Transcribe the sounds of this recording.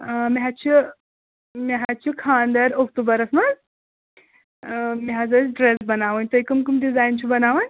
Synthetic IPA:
miɦat͡ɕi | miɦat͡ɕikʰãnd̪əɾɔk̚ʈ̪ubəɾəsməl | miɦad͡zəɖɾesbənaʋənt̪əikəmkumɖid͡zaint͡ɕibənaʋən

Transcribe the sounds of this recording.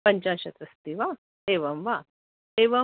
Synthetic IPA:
pɐɲt͡ʃaːɕɐt̪ɾɐst̪iʋaː | eːʋɐmʋa | eːʋɐ

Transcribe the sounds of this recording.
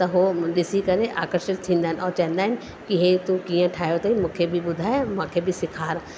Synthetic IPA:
t̪ɐɦoɗɪsikɐɾeʔa̰ːkəɾʃɪt̪t̪ʰĩːnd̪aːnɔːɾt͡ʃɛ̃ːnd̪aːɪn | kiɦet̪ũkijãʈʰaːjot̪ɐĩmʊkʰebʱibʊd̪ʱaːmãːkʰebʱisɪkʰaːɾ

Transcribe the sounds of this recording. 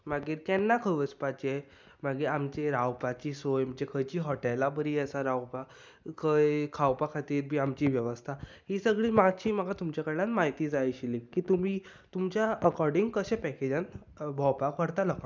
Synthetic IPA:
m̤aɡiːɾkɛnːakʰəʋət͡spat͡ɕe | maɡiːɾamt͡ɕeɾawpat͡ɕiːsojm̤d͡ʑekʰəjt͡ɕiːɦɔʈɛlabəɾiɛsaɾawpa | kʰəjkʰawpakʰat̪iːɾbʱiːamt͡ɕiːʋjəʋəst̪ʰahisəɡɭiːmaɡt͡ɕiːməɡat̪umt͡ɕjakəɾlanmaɦit̪iːd͡zajɕilikiːt̪umiː | t̪umt͡ɕjaəkɔɾɖiŋɡkəɕẽpɛked͡ʑãn | bʱɔwpakəɾt̪aləkã

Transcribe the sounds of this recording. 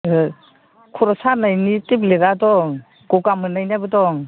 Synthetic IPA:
kʰɔɾɔsanajnitepleɾadɔŋ | ɡ̥ɔɡamɯnajnabɯdɔŋ

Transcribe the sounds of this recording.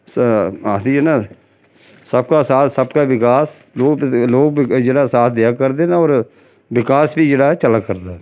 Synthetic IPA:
saːsiːɛnãː | səbkaːsaːt̪səbkaːʋɪkaːs | loːkloːk̚d͡ʒeːɽaːsaːt̪ʰd̪ɪjaːkəɾd̪eːnaːɔːɾ | ʋɪkaːsbiːd͡ʒeːɽaːɛt͡ʃəlaːkəɾd̪aː

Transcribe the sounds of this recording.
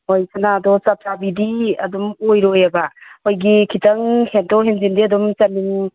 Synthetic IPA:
ojkʰanadɔsap̚ʰabidiɐ̰dumojɾojabaojɡikʰitɐŋhentoɦenzindiɐdumt͡ʃɐnːiŋ

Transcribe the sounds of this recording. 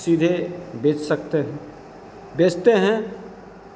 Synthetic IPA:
sid̪ʱebeːt͡ʃsəkt̪eɦɛ̃ | beːt͡ʃt̪eɦɛ̃

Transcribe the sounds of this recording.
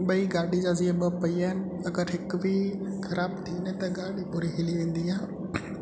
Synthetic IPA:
ɓɐiɡaːɽid͡ʒaːziɐbəpɐiaːɪnɪ̆ | ɐɡəɾɦɪkbʱikʰɐɾaːbt̪ʰinẽt̪ɐɡaːɽipʊɾiɦɪliʋẽːn̆d̪iaː

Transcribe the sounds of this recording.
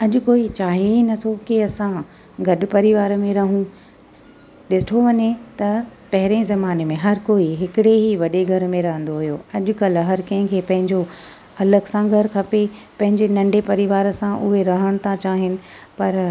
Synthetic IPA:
ɐʄʊ̆koːit͡ɕaːɦeinɐt̪ʰokiɐsã | ɡɐɗʊpɐɾiʋaːɾmẽɾɐɦũ | ɗɪsɪʈʰoʋɐɲet̪ɐpɐɦɪɾezɐmaːnemẽɦɐɾkoːiɦɪkɪɽeɦiʋɐɗeɡʱɐɾmẽɾɐɦə̃nd̪oɦʊjoɐʄʊ̆kɐlɦɐɾkɐ̃ɦɪ̃kʰeːpɐ̃ɦɪ̃ɲd͡ʑo | ɐləɡsãɡʱɐɾkʰɐpe | pɐ̃ɦɪ̃ɲd͡ʑenɐ̃ɳɖepɐɾiʋaːɾsãʔʊɦeɾɐɦəɽ̃t̪ʰãt͡ɕaːɦɪnɪ̆pɐɾ

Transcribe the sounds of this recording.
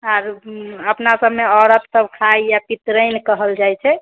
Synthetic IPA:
aɾəpnasəbʱmeɔɾət̪səbkʰaijapit̪ɾəjnkəɦəld͡ʒajt͡ʃʰɛ

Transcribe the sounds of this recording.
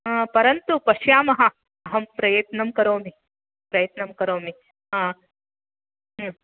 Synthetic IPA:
pɐɾɐnt̪upɐʂjaːmɐɦɐ | ɐɦɐmpɾɐjɐt̪nɐmkɐɾoːmi | pɾɐjɐt̪nɐmkɐɾoːmi | aː

